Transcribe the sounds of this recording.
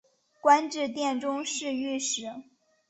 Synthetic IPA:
kwa˥nʈ͡ʂɻ̩˥˧t̪jɛ˥˩nʈ͡ʂʊ˥ŋʂɻ̩˥˧y˥˩ʂɻ̩˨˧˩

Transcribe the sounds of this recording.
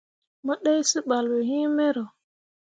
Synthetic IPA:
mɔ˦ɗe˦jsi˦ɓa˨lwɛ˨ɦĩ˦mɛ˦ɾɔ˨

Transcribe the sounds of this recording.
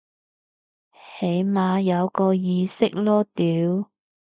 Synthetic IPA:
he˨˧˥jmaː˨˧jɐ˨˧wkɔː˧jiː˧sɪ˥k̚lɔː˥t̪iː˨˥w

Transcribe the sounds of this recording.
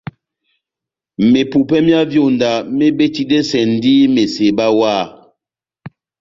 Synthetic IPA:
me˨pu˨pɛ˦mja˦vjo˦˨nda˨me˦be˦ti˦de˦sɛ˨n˦di˦me˨se˨ba˦wa˦˨

